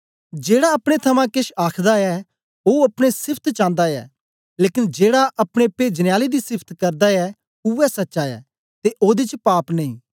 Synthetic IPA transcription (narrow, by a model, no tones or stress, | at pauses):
d͡ʒeːɽaɐpɽ̃et̪ʰɐmãkɪʃaːkʰd̪aɛ | oːɐpɽ̃esɪpʰt̪t͡ʃãːnd̪aɛ̰ː | leːkɪnd͡ʒeːɽaʔɐpɽ̃epeːd͡ʒnjaːlid̪isɪpʰt̪kɐɾd̪aɛː | uɛsɐtːʃaɛ̰ː | t̪eʔoːd̪it͡ʃpaːpnɐ̃ĩː